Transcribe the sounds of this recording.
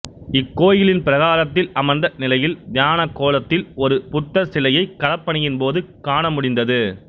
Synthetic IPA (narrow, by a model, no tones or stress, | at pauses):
ɪkːoːjɪlɪnpɪɾɐɣaːɾɐt̪ːɪlɐmɐnd̪ɐnɪlɐjɪld̪jaːnɐkːoːlɐt̪ːɪlɔɾɯpʊt̪ːɐsɪlɐjɐɪkːɐɽɐpːɐɳɯjɪnpoːðɯkaːɳɐmʊɽɪnd̪ɐðɯ